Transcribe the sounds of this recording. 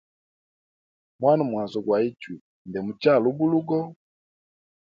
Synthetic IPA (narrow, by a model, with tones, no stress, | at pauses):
mwa˦nu˨mwa˨zɔ˨ɡwa˨i˦t͡ʃwi˨ | ndɛ˨mu˨t͡ʃa˦˨lu˦bu˦lu˦ɡɔ˦